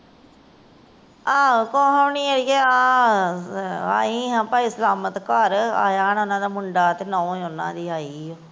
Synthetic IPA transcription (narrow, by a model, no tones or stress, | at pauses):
ãːkoːɦaʋniːeɾiːɛːãː | a̰ːiːɦãːpaːiːsəlaːmət̪kaɾa̰ːjaːnonãːd̪aːmʊɳɖaːt̪eːnɔ̃ːẽːʊnːã̰ːd̪iːaːiːoː